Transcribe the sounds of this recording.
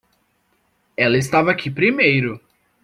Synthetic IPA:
ɛlɐɪst̪avɐakʰipɾimejɾʊ

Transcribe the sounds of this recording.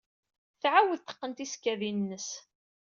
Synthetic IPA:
θʕawəðt̪ːə̥qːənt̪iskːæðinnːəs

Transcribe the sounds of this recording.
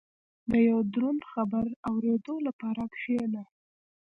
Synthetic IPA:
d̪əjawd̪ɾunxabaɾawɾed̪olapɑɾakʃena

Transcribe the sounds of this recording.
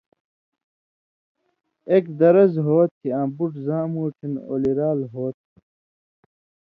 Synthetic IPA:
ekd̪ɐɾɐzɦoːt̪̚kiãːbuʈzãːmuːʈʰino̰ːliɾaːlɦoːt̪̚

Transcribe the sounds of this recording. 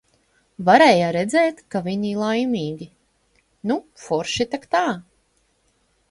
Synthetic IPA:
vaɾɛːjaɾɛd̪zɛːt̪kavʲiɲilˠajmʲiːɡʲi | nufɔɾʃit̪akt̪aː

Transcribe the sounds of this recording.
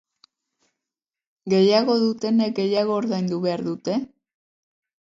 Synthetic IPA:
ɡe̞jaɣo̞ðut̪e̞ne̞k̚ɡe̞jaɣo̞ːɾðajnd̪uβe̞aɾðut̪e̞

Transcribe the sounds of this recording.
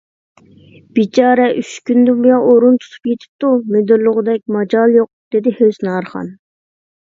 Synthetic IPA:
b̥it͡ʃʰɑːɾɛʔyʃkʲynd̪ubujɑʔoɾunt̪ʰu̥t̪ʰu̥pjet̪ʰɪ̥p̚t̪umed̪yɾlˠʊʁʊd̪ɛk̚ʲmɑd͡ʒɑlˠjoq̚d̪̥ed̪ɪhøznɑːɾχɑ̰n

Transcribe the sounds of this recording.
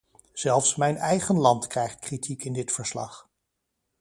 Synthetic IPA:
z̥ɛlˠfsmɛjnɛjχənlɑntkrɛjχt̚kritʰikɪndɪtfəɹslɑ̰χ

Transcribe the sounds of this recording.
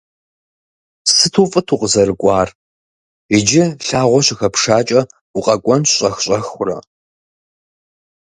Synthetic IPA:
sɨtʰuːfʼɨtʰuːqəzɐɾɨkʷʼɑːr | ɪd͡ʒɪɬaːʁʷɔɕɪxɐpʂaːt͡ʃʼɐ | uqʼɐkʷʼɔnɕʼɐxɕʼɐxʷʊrɐ̰

